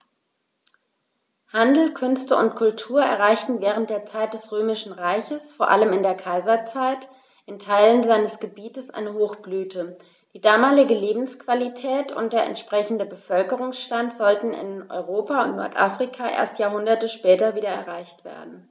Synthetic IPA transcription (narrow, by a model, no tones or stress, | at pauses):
handl̩kʰʏnstəʊntkʰʊltʰuːɐɛ̰ɐʁ̞aɪçtn̩vɛːʁ̞ənt̚d̥eːɐt͡saɪt̚d̥ɛsʁøːmɪʃn̩ʁaɪçəsfoːɐʔaləmɪndeːɐkʰaɪzɐt͡saɪt | ʔɪntʰaɪlənzaɪnəsɡ̥əbiːtəsʔa̰ɪnəhoːxb̥lyːtʰə | d̥iːdaːmaːlɪɡəleːbm̩skv̥alitʰɛːtʊ̰ntd̥eːɐɛ̰ntʃpʁ̥ɛçn̩dəbəfœlkəʁʊŋsʃtantz̥ɔltn̩ɪ̰nʔɔ̰ʏʁoːpaʊntnɔ̰ɐtʔaːfʁ̥ikʰaʔḛːɐstjaːɐɦʊndɐtəʃpɛːtɐviːɾɐɛɐʁaɪçtv̥ḛːɐdn̩